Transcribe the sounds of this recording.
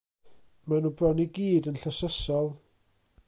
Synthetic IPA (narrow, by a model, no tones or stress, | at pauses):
manubrɔniɡiːdənɬəsəsɔlˠ